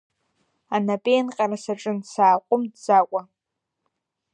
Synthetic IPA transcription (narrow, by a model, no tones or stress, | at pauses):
anapʼejnqʲʼaɾasaʈ͡ʂʼɨnsaːqʷʼʊmdd͡zakʷʼa